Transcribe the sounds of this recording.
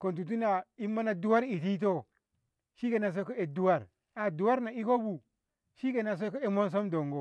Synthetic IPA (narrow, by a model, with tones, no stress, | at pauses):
ko˨nt̬u˨t̬u˦na˨i˦mːa˦na˨du˦wa˦ɾi˨ti˦t̬o˦ | ʃi˦ke˨na˨s̬o˦ko˦e˨du˦wa˦˨ɾ | a˨du˨wa˦ɾna˨i˦ko˦bu˨ | ʃi˦ke˨na˨s̬o˦ko˦e˦mo˦ns̬o˦mdo˨ŋɡo˦